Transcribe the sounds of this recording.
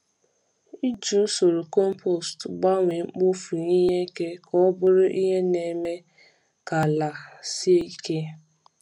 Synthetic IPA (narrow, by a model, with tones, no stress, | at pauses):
i˦d͡ʒu˦so˨ɾu˨kɔ˦m˦po˦˨stɡ͡ba˦ŋʷe˨ŋ͡m̩˦k͡pʊ˦fu˨i˦ɲe˦ke˦kʰɔ˦bʊ˦ɾʊ˦ʔi˦ɦe˦ne˨me˦ | ka˨la˨si˦e˦i˦ke˦